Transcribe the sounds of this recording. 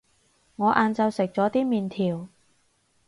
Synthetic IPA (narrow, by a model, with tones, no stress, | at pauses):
ŋɔː˨˧ʔaː˨˧nt͡sɐ˧wsɪ˨k̚t͡sɔː˨˥t̪iː˥miː˨nt̪ʰiː˨˩w